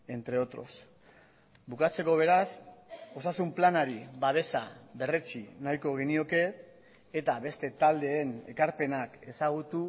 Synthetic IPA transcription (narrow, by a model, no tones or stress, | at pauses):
e̞nt̪ɾe̞o̞t̪ɾo̞s | bukat͡se̞ko̞β̞e̞ɾaso̞sasumplanaɾiβaβ̞e̞saβe̞ret͡ʃinajko̞ɣ̞enio̞ke̞t | et̪aβe̞st̪e̞t̪ald̪e̞ːne̞̰kaɾpe̞nake̞saɣ̞ut̪u